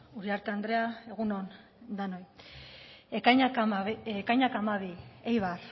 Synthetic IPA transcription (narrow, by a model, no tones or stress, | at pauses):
uɾiaɾt̪eand̪ɾeae̞ɣunon | d̪anoj | ekajɲaekajɲakamaβiejβar